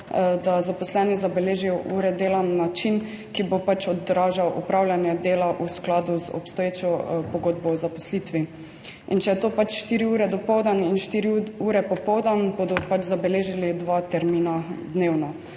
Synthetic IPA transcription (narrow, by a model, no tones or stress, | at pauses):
d̪azapɔslɛːnizabɛleːʒijɔʔuːɾɛd̪eːlanːat͡ʃin | kibopat͡ʃɔd̪ɾaːʒawʔupɾawlʲjanjɛd̪eːlaʔusklaːd̪uzɔ̰pst̪ɔjeːt͡ʃɔpɔɡoːd̪̚bɔwzapɔ̥slit̪ʋi | ḭnt͡ʃɛjɛt̪oːpat͡ʃʃt̪iːɾiuːɾɛd̪ɔpɔwd̪aninʃt̪iːɾiuːɾɛpɔpɔwd̪anbod̪ɔpat͡ʃzabɛleːʒilid̪ʋat̪ɛɾmiːnad̪neːwnɔ